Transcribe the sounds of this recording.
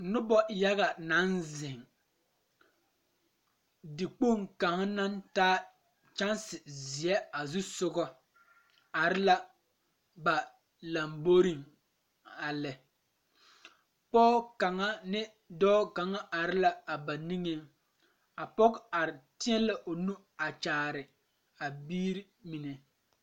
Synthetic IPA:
nʊ˦bɔ˦ja˦ɣa˨na˨˦nzɪ˨ŋ | dɪ˨k͡po˦˨ŋka˨ŋ˦na˦ntaː˦ | t͡ʃa˦nsɪ˨zɪ˨ɛ˦a˨zu˦sʊ˦ɡɔ˦ | a˨ɾɪ˦la˦ | ba˨ | la˨mbo˦ɾi˦˨ŋ | a˨lɛ˨ | pɔː˦ka˨ŋa˦nɪ˦ | dɔː˦ka˨ŋa˦ʔa˨ɾɪ˦la˦a˨ba˨ni˦ŋe˦ŋ | a˨pɔ˦ka˨ɾɪ˨tɪ˦ɛ˦la˦ʔo˨nu˦ | a˨t͡ʃaː˨ɾɪ˨ | a˨biː˦ɾi˦mi˨nɛ˨

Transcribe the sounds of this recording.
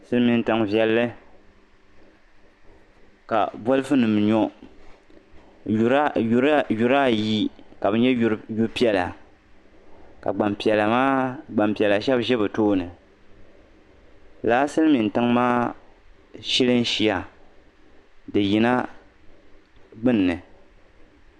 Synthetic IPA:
sɨ˦lmi˨n˦tɨ˨ŋvjɛ˦lːɨ˦ | ka̰˨bɔ˦lɨ˦fɨ˦nɨ˨m˨ɲɔ˦˨˦ | ju˨ɾa˦ji˦ka˨bɨ˨˦ɲɛ˦ju˦ɾpi˦ɛ˨la̰˨ | ka̰˨ɡ͡ba˨mpɛ˨lma˦ɡ͡ba˨mpi˨ɛ˨la˨ʃɛ˦bʒɛ˦bɨ˨toː˦nɨ˨ | laː˦sɨ˦lmi˨n˨tɨ˦ŋmaː˦ | ʃi˦lɨ˦n˦ʃi˦a˨ | dɨ˨ji˨na˦ | ɡ͡bɨ˦nː˨ɨ˨

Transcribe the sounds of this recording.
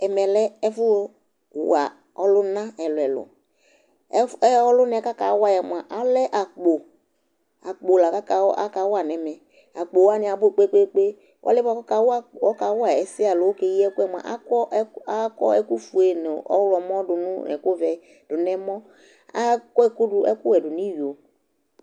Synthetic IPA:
ɛ˨mɛ˨lɛ˦ɛ˦fʊ˦˨ | a˨ | ɔ˦lʊ˦nã˦ɛ˨lʊ˨ɛ˨lʊ̰˨˦ | ɛ˦ɔ˦lʊ˦nɛ˨ka˦ka˨˦wa˦jɛ˨m˨a˨ʔa˨lɛ˦ʔa˨k͡po˨ | a˨k͡po˨la˨ka˦ka˨wɔ˦ʔa̰˦ka˨˦wa˨nɛ˨mɛ˨ | a˨k͡po˨wa˦nɪ˨a˨bʊ˦e˨k͡pe˦k͡pe˦k͡pe˦ | wʔa̰˦lɛ˦ba˦ka˨˦wa˦˨ɔ˦ka˨˦wʊ˦a˨ɛ˨sɪ˦a˨lʊ˨˦o˦ke˨˦ji˦ɛ˦ku˦ɛ˦m˨a̰˨ʔa̰˦kɔ˦a˦kɔ̰˦ɛ˦ku˦fu˨e˨n˨ɔ̰˦wlɔ˨m˦ɔ˦dʊ˨nũ˦ɛ̰˨ko˦vɛ˨ | d̥ʊ˨nɛ˦mɔ˦ | a˦kɔ˦ɛ˦ku˦dʊ˨ʔɛ̰˦kʊ˦wɛ˨dʊ˨ni˦ɥi˨o˨

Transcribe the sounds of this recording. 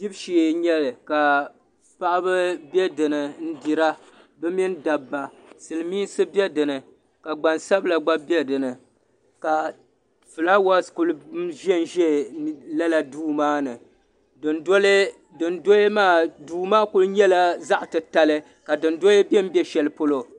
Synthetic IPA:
di˦bʃe˨ɲɛ˦lɨ˨ka˨ | pa˦ʔa˦bɨ˦bɛ˦dɨ˨nɨ˨n̩˦di˨ɾa˦ | bɨ˦mi˦n˦da˨bːa˨ | sɨ˨lɨ˨miː˦sɨ˦bɛ˦dɨ˨nɨ˨ | ka˨ɡ͡ba˨nsa˦bla˨ɡ͡ba˦bɛ˦dɨ˨nɨ˨ | ka˨ | fɨ˨la˦wa˦sku˦lɨ˦ʒɛ˦˨n˨ʒɛ˦la˦la˨duː˦maː˦nɨ˨ | dɨ˨ndl | dɨ˨ndo˦je˦maː˦˨duː˦˨maː˦ku˦lɨ˦ɲɛ˦la˦za˦ʔtɨ˨ta˨lɨ˦ | ka˨dɨ˨ndo˦e˦bɛ˦m̩˦bjɛ˦ʃɛ˨lɨ˦po˦lo˦

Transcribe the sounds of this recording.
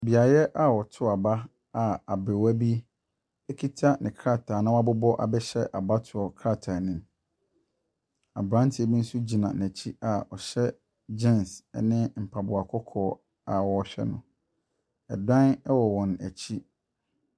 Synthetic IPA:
bi˨a˨jɛ˦ʔa˨wɔ˨tʰʊ˦a˨ba˦ | a˨a˨be˨wæ˦bi˦ | ɛ˦kʰi˦tʰa˦nɪ̃˨kʰɾa˦˨tʰa˨nã˦a˦bʊ˦bɔ˦ʔa̰˨bɛ˦ɕɛ˦ʔa˨ba˦tʰʊ˨ɔ˨kʰɾa˦˨tʰa˨nɪ̃˦m | a˨bɾã˦n˦tʰɪ˨˦ɛ˨bi˦n̩˦su˦d͡ʑi˨nã˨n˨æ˨t͡ɕʰi˦a˨ɔ˨ɕɛ˦ | d͡ʑɛ̃˦nsɛ̰˨nɪ̃˦m̩˨pʰa˨bʊ˨a˨kʰɔ˦kʰɔː˨ | a˨wɔ˨ɕᶣɛ̰˦nʊ̃˨ | ɛ̰˨dã˦nɛ˦wɔ˨wɔ̃˨næ̰˨t͡ɕʰi˦

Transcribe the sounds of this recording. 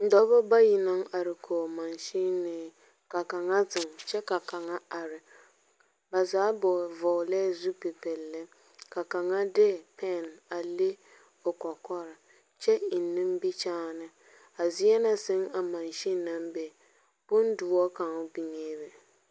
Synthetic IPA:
n̩˨dɔ˦bɔ˦ba˦ji˨na˦ŋa˨ɾɪ˨kʰo˨ma˨nʃi˦nɨ˦ | ka˨ka˨ŋa˦zɨ˨ŋt͡ʃɛ˦ka˨ka˨ŋa˦a˨ɾɪ˨ | ba˨zaː˨˦bɔ˨vɔ˨lɛ˦zu˦pe˨pɛ˨lːɨ˦ | ka˨ka˨ŋa˦dɛ˦˨pɛ˦˨na˨le˦ | o˨kɔ˨kɔ˦ɾɨ˨ | t͡ʃɛ˦i˨nːɨ˦m˦bi˦t͡ʃaː˦nɨ˦ | a˨zi˦ɛ˦na˨sɪ˦ŋa˨ma˨nʃi˦na˦mbe˨ | b̥ʊ˦n˦du˨˦ɔ˦ka˨ŋ˦bi˨ŋeː˦bɪ˨

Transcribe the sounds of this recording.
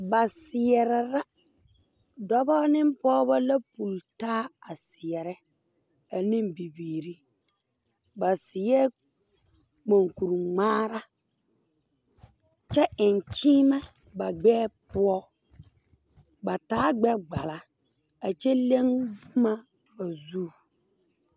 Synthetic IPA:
ba˨sɪ˨ɛ˨ɾɛ˨ɾa˦ | dɔ˦bɔ˦nɪ˦mpɔː˦ba˦la˦pu˨ltaː˦a˨sɪ˨ɛ˨ɾɛ˦ | a˨ni˦mbi˨biː˨ɾi˦ | ba˨sɪ˨jɛ˦ | k͡po˨ŋku˨ɾu˨ŋ͡maː˦ɾa˦ | t͡ʃɛ˦ʔɪ˨nt͡ʃiː˦ma˦ | ba˨ɡ͡bɛː˦pʊ˦ɔ˦ | ba˨taː˦ɡ͡bɛ˦ɡ͡ba˨la˨ | a˨t͡ʃɛ˦le˦ŋ˦ma˦ | ba˨zuː˦˨

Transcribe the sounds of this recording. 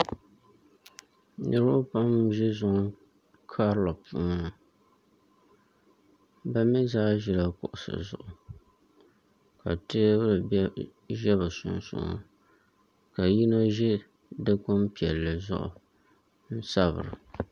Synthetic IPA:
nɨ˦ɾʊ˦pa˦mʒɛ˦zʊ˨ŋ˦ | kʰa˦ɾlo˨pṵː˨˦ŋa˦˨ | ba˦mɪ˦zaː˦ʒɪ˦la˨kʊ̰˨ʔʊ˨sɨ̰˨zʊ̰˦ʔʊ˨ | ka̰˨tɪ˦bɨ˦ɾɨ˨˦ | ʒɛ˦βɨ˨sʊ̰˨nsʊ̰˨ŋo̰˦ | ka˨ji˦no˦ʒɛ˦ | dɨ˦ko˦mpi˨ɛ˨lːɨ˨zʊ̰˦ʔʊ̰˨ | n̩˦sa˦βɨ̰˨ɾɨ̰˨

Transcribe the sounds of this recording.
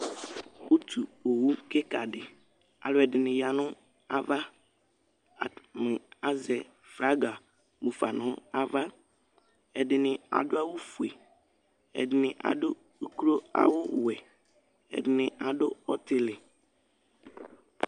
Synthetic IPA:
u˦t̪ʰu˨o˨wu˦ke˦ka˨dɪ˨ | a̰˨lʊ˦ɛ˨dɪ˨nɪ̃˨ja˨nʊ̃˦ | a˦va˦˨ | mɪ̃˨a˦zɛ˨ | fɾa˦ɡa˨ | mu˨fa˨nʊ̃˦a˦va˦ | ɛ˨dɪ˨nɪ̃˨a̰˨dʊ˦a˦wʊ˦fu˨e˨ | ɛ̰˨dɪ˨nɪ̃˨ʔa̰˨dʊ˦ | kɾo˦a̰˨wʊ˦wɛ˨ | ɛ̰˨dɪ˨nɪ̃˨ʔa˨ɖʊ˦ɔ̰˦t̪ɪ˨lɪ˨

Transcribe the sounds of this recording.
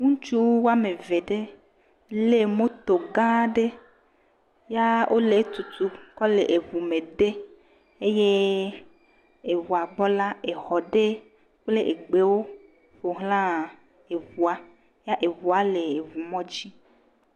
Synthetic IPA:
ŋũ˦t͡ʃu˦wwo˦a˦me˨ve˨ɖe˦ | le˦mo˦t̪o˨ɡã˦ɖe˦ | ja˦ʔo˦le˨˦t̪u˨t̪u˦kɔ˦le˨ʔe˨vu˨me˨ɖe˦ | e˦je˦ | e˨vu˨a˨ɡ͡bɔ˦la˦e˨xɔ˨ɖe˦ | k͡ple˦ʔe˨ɡ͡be˨wo˦ | ɸo˨ɦlã˦ | e˨vu˨a˦ | ja˦ʔe˨vu˨a˦le˨e˨vu˨mɔ̃˦d͡ʑi˦

